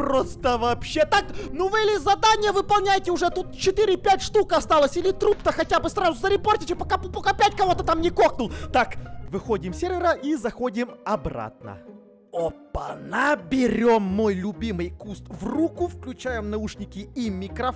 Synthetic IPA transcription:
pɾost̪əvɐːpɕːet̪aknuvɨɪlʲɪzɐd̪anʲɪjəvɨpɐlˠnʲæjɪtʲɪʊʐɛt̪ut̪t͡ɕɪt̪iɾʲɪpʲætʲʂt̪ukɐst̪alˠəsʲɪlʲɪt̪ɾupt̪əxɐtʲabɨsrazʊzəɾʲɪport̪ʲɪtʲɪpɐkappɐkapʲætʲkɐvo̞t̪ət̪amnʲɪkoknʊlˠt̪akvɨxo̞dʲɪmsʲerʲvʲɪɾəʔizɐxo̞dʲɪmɐbra̰t̪̚nə̰ | opːə̰nabʲɪɾʲomːo̞jlʲʊbʲimɨjkust̪vrukʊfklʲʉt͡ɕæjɪmnɐuʂnʲɪkʲɪimʲːɪkɾɐ

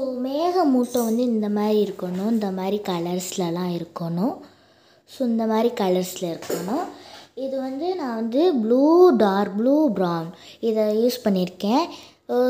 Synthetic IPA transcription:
omeːɣɐmuːʈːõʋɐnd̪ɯɪnd̪ɐmaːd̪ɾiɪɾɯkːɐɳʊ̃ɪnd̪ɐmaːd̪ɾikɐlɐɾslɐlãːɪɾɯkːɐɳʊ̃ | sʊɪnd̪ɐmaːd̪ɾikɐlɐɾslɐɪɾɯkːɐɳʊ̃ɪðɯʋɐnd̪ɯnãːʋɐnd̪ɯbluːɖaːɾbluːbɾaːnɪðɐjuːspɐɳːɪɾɯkːẽː

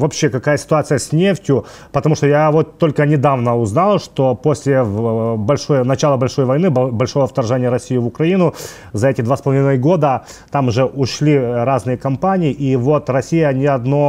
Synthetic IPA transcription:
vɐpɕːe̞kɐkajəsʲɪ̥t̪ʊat̪sɨjəsʲnʲeftʲjʊ | pət̪ɐmuʂt̪ojavo̞t̪ːo̞lʲkənʲɪd̪avnəʊznalˠʂt̪o̞po̞sʲlʲɪbɐlʲʂojnɐt͡ɕalˠəbɐlʲʂo̞jvɐjnɨbɐlʲʂo̞vəft̪ɐrʐɛnʲɪjəɾɐsʲijɪvʊkɾɐinʊ | zɐɛtʲɪd̪vaspəlˠɐvʲinɨjɡo̞d̪ə | t̪amʊʐɛʔʊʂlʲiɾaznɨjəkɐmpanʲɪɪʔivo̞t̪rɐsʲijənʲɪɐd̪no

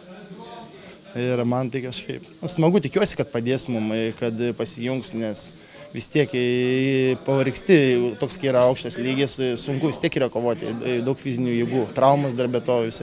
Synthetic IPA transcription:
ɪɾmɐnt̪ɐɪkɐʃkɐɪp | ʊsmɐɡʊt̪ʲɪkʲuɔsʲɪkɐt̪̚pɐd̪ʲeːsmʊmkɐt̪pɐsʲɪjʊŋksnʲɛs | ʋʲɪst̪ʲiɛk | pɐʋɐɾʲksʲt̪ʲɪt̪oːkskʲiiːɾɐɐʊkʃt̪ɐsʲlʲiːɡʲɪssʊŋkʊʋʲɪst̪ʲiɛkiːɾɐkoːʋoːt̪ʲɪ̰dɐʊkfʲizʲɪnʲuːjiːɡuːt̪ɾɐʊmɐsd̪ɐrbʲɛt̪oːʋʲɪsʲ

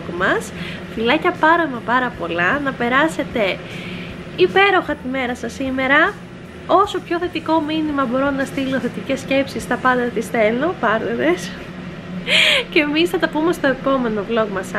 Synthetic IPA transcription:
kmɐs | filɐcɐpɐɾɐmɐpɐɾɐpo̞lɐnɐpe̞ɾɐse̞t̪e̞ | ipe̞ɾo̞xɐt̪ime̞ɾɐsɐsːime̞ɾɐ | o̞so̞pço̞θe̞t̪iko̞minimɐbo̞ɾo̞nɐst̪iloθe̞t̪ice̞sce̞psist̪ɐpɐnd̪ɐt̪isθe̞no̞pɐɾned̪es | ce̞misnɐt̪ɐpume̞st̪o̞e̞po̞me̞no̞vlo̞kmɐsɐ

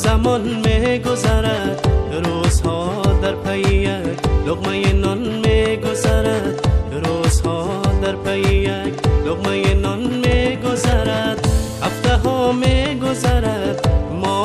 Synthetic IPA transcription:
zɐmɔnmeɡʊzaɾɐt̪ | ɾoːzhɔd̪ɐɾpʰɐijɐkd̪ʊqmɐjenɔnmeɡʊzaɾɐt̪ɾoːzɦɔ | d̪ɐɾpʰɐijɐkd̪ʊqmɐjenɔnmeɡʊzɐɾɐt̪ | ɐft̪ɐɦɔmeɡʊzɐɾɐt̪mɔ

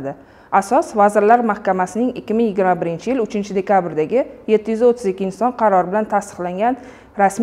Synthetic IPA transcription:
d̪ɪ | asɒsvazɪɾlaɾmahkʲamasɪnɪŋɪkʲːɪmɪŋjɪɡʲɪɾmabɪɾɪnt͡ʃʰɪjɪlʊt͡ʃʰɪnt͡ʃʰɪd̪e̞kʲʰabɾd̪aɡʲɪje̞t̪ʰːɪjyzot̪ʰːɪzɪkʲːɪːnsɒnqʰɑɾɒɾɪbɪlant̪ʰast̪ɨ̥qlaŋɡʲan | ɾasm

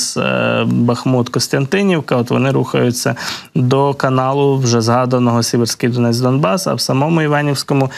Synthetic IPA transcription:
s | bɐxmut̪kɔst̪ɐnt̪ɪnʲiwkɐɔt̪ʋɔ̰nɪɾuxɐjʊt͡sʲːɐ | d̪ɔkɐnɑlˠʊwʒɛzɦɑd̪ɐnɔɦɔsʲiberʲsʲkʲijd̪ɔnɛt͡s̪ʲd̪ɔnbɑsɐ̰wsɐmɔmʊiʋɑnʲiwsʲkɔmʊ

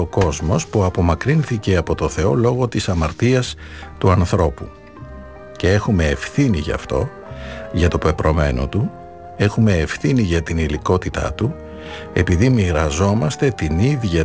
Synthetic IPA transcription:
oko̞zmo̞spuɐpo̞mɐkɾinθice̞ɐpo̞t̪o̞θe̞o̞lo̞ɣo̞t̪isɐmɐɾt̪iɐs | t̪uɐnθɾo̞pu | ce̞e̞xume̞ːfθiniʝɐ̰ft̪o̞ | ʝɐt̪o̞pe̞pɾo̞me̞̰no̞̰t̪u | e̞xume̞ːfθiniʝɐt̪iniliko̞t̪it̪ɐ̰t̪u | e̞piðimiɾɐzo̞mɐst̪e̞t̪iniðʝɐ

